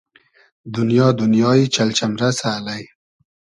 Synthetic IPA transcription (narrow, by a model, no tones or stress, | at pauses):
d̪ʊnjɑːd̪ʊnjɑːit͡ʃalt͡ʃamɾasaːlaj